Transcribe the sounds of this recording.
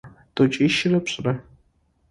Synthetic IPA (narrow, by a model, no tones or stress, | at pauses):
tʼot͡ʃʼiʃɪrɐpɕʼrɐ